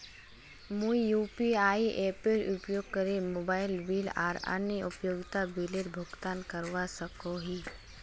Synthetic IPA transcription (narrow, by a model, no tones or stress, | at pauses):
muijuːpiaːiʔeːpeɾupjoːɡ̚kəɾemoːbaːɪlbiːla̰ːɾə̰njəʊpjoːɡt̪abileɾbʱʊɡt̪aːnkəɾʋasəkoɦi